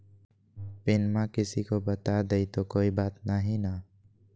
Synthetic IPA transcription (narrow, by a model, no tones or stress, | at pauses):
pɪnmãkɪsikobɐt̪ad̪eit̪okoːibaːt̪naɦĩna